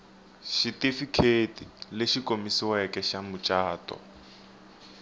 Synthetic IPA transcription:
ʃitifikʰetʼilɪʃikomisiwɛkɛʃamʊt͡ʃʼaːtʼɔ̰

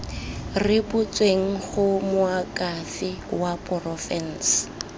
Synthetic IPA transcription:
rɪpʊt͡sʼweŋ̩χʊmʊakʼafɪwapʼɔrɔfɛn̩s

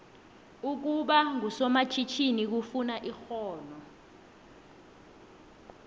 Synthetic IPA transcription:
uk̬uɓaŋʱusɔmat͡ʃʰit͡ʃʰinik̬ufunaʔixɔːnɔ

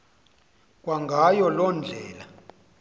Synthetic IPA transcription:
k̬ʼwaŋɡʱajɔlɔnd͡ɮʱɛːla

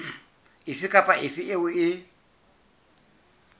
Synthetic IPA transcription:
ɪfɪkʼapʼaʔɪfɪʔɪʊɪ

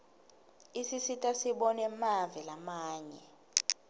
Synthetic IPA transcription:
isisitʼasiɓɔnɛmavɛlamaːɲɛ

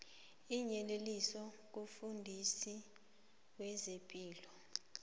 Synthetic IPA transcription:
iɲɛlelisɔ | k̬ufundʱisi | wɛzepʼiːlɔ

